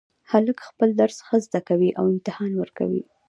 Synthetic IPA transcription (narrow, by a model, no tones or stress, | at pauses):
haləkxpəld̪aɾsxəzd̪akawiʔawɪmt̪ɪhɑnwəɾka̰wḭ